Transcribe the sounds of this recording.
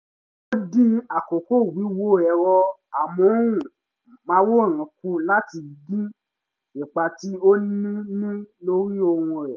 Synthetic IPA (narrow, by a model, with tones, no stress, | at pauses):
o˦dĩ˦a˨ko˨ko˦˨wi˨˦wo˦˨ɛ˨ɾɔ˧a˨mɔ̃˨˦ũ˦˨ | mã˨˦wo˦˨ɾ̃ã˨ku˦la˦ti˧i˨dĩ˦ | nĩ˨k͡pa˧ti˦o˦nĩ˦nĩ˦lo˦ɾi˦o˧wũ˧ɾɛ˨